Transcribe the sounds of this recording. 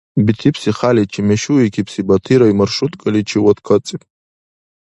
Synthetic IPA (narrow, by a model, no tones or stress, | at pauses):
bitʰipʰsiχalit͡ʃʰimeʃuikʲʰipʰsibatʰiɾaimarʂutʼkʼalit͡ʃʰiwadkʰat͡sʼipʼ